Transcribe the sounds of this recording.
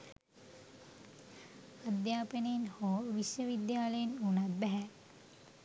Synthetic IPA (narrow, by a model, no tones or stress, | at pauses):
ad̪jaːpəneinhoːʋiʃʋəʋid̪jaːləjinunat̪̚bæɦɛ